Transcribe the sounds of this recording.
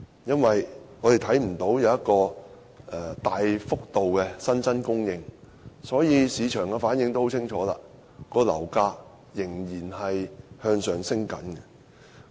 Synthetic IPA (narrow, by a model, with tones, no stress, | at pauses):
jɐ˥nwɐ˨jŋɔː˨˧t̪e˨jt̪ʰɐ˨˥jm̩˨˩t̪o˨˥wjɐ˨˧wjɐ˥t̚kɔː˧ | ʔɛ˨˩t̪aː˨jfʊ˥k̚t̪o˨wkɛ˧sɐ˥nt͡sɐ˥nkʊ˥ŋjɪ˨˧ŋ | sɔː˨˥jiː˨˧siː˨˧t͡ʃʰœː˨˩ŋɡɛ˧faː˨˥njɪ˧ŋt̪o˥who˨˥wt͡sʰɪ˥ŋt͡ʃʰɔː˨˥la̰ː˧ | kɔː˧lɐ̰˨˩wkaː˧k̚ | jɪ˨˩ŋjiː˨˩nhɐ˨jhœː˧ŋsœː˨ŋsɪ˥ŋkɐ̰˨˥nɡɛ˧